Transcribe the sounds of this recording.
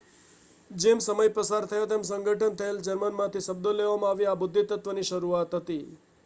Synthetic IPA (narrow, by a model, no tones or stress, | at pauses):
d͡ʒemsəməjpɾəsaɾt̪ʰəjat̪emsəŋɡʱəʈʰənt̪ʰəeld͡ʒəɾmənmãt̪ʰiʃəb̚d̪oleʋamãaʋiabʊd̪ʱːit̪ət̪ʋəniʃəɾuat̪ɦət̪i